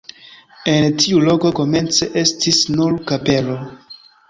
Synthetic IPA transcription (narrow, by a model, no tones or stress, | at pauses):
e̞ntʰiulo̞ko̞ko̞me̞nt͡se̞ʔe̞stʰisnuɾkape̞lo̞